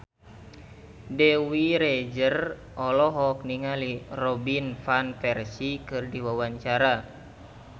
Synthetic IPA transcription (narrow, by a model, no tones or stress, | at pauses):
dɛwiɾɛd͡ʒər | ʔɔlɔɦɔk̚niŋalirɔbinfanfɛrsikɨrdiwawaɲt͡ʃaɾa